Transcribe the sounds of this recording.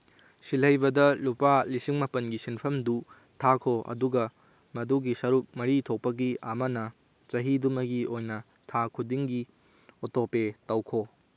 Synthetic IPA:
silɐjbɐdɐlupalisiŋmɐpɐnɡisinpʰɐmdu | tʰakʰoʔɐ̰duɡɐ | mɐduɡisɐɾuk̚mɐɾitʰok̚pɐɡiʔɐmɐnɐ | t͡ʃɐɦidumɐɡiʔojnɐ | tʰakʰudiŋɡi | otopetɐwkʰo

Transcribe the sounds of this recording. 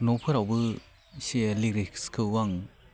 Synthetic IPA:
nɔpʰɯɾawbɯ | sieliɾikskʰɯwaŋ

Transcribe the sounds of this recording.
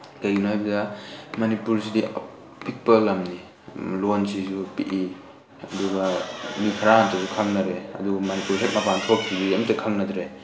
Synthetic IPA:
kajɡinajbɐdɐmanipuɾs̬idi | pʰik̚pɐlɐmni | lonsisupiʔi | ɐduɡɐmikʰɐɾaantɐsukʰaŋnɐɾeɐ̰duɡmanipuɾsʰet̚mɐpantʰokʰːibiɐmtɐkʰaŋnɐdɾe

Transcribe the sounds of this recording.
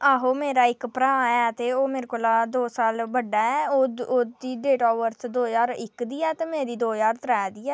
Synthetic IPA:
aːɦoːmeːɾaːɪkpɾãːɛːt̪eːoːmɪːɾkolaːd̪oːsaːlbəɖaːɛːoːoːd̪iːɖeːʈɔːʋəɾsd̪oːjaːɾɪkd̪iːɛːt̪eːmẽːɾiːd̪oːjaːɾt̪əɾɛːd̪iːɛː

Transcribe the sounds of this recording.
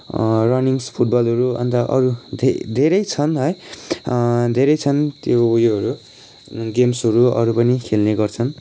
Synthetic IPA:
rʌniŋspʰuʈ̚bʌlʌɾuʌ̰nt̪ʌʔʌ̰ɾud̪ʱed̪ʱeɾʌjt͡sʰʌnɦʌj | d̪ʱeɾʌjt͡sʰʌnt̪joujoɦʌɾu | ɡemsɦʌɾuʌ̰ɾupʌnikʰelneɡʌrt͡sʰʌn

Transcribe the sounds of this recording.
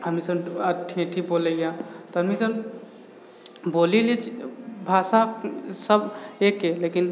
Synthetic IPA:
ɦəmisəbəʈʰẽʈʰiboːleɡjat̪ɔɦəmisəb | bolilet͡ʃʰibʱaːsasəbekelekin

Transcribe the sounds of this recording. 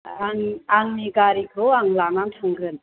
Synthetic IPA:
aŋaŋniɡaɾikʰoaŋlamaŋtʰɯŋɡɯn

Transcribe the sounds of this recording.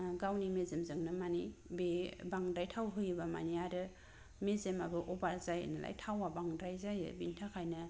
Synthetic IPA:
ɡawnimezemzɯŋnamanibebaŋdajtʰawɦɯjɯbama̰niaɾɯ | mezemabɯʔɔbaɾzaj̰nala̰jtʰawabaŋdajzajɯ̰bintʰakʰajna

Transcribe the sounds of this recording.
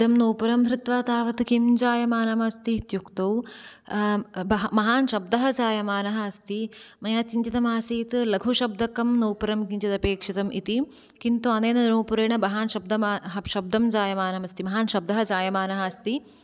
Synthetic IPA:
d̪ɐmnoːpɐɾɐmd̪ɾut̪ʋaːt̪aːʋɐt̪kimd͡ʒaːjɐmaːnɐmɐst̪it̪jukt̪ɐw | bɐmɐɦaːnʃɐb̚d̪ɐɦɐd͡ʒaːjɐmaːnɐɦɐɐst̪imɐjaːt͡ʃiɲt͡ʃit̪ɐmaːsiːt̪ɨlɐɡʱuʃɐb̚d̪ɐkɐmnoːpɐɾɐmkiɲt͡ʃɐt̪ɐpeːkʂɐt̪ɐmʔit̪i | kint̪uɐneːnɐnɾuːpuɾeːɳɐbɐɦaːnʃɐb̚d̪ɐmaːɦɐʃɐb̚d̪ɐmd͡ʒaːjɐmaːnɐmɐst̪imɐɦaːnʃɐb̚d̪ɐɦɐd͡ʒaːjɐmaːnɐɦɐst̪i

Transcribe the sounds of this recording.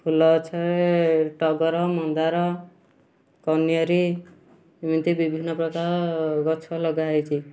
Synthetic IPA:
pʰulɔt͡ʃʰaeʈɔɡɔɾɔmɔnd̪aɾɔ | kɔnijɔɾi | mint̪ibibʱinːɔpɾɔkaɾɔɡɔt͡ʃʰɔlɔɡajt͡ʃʰi

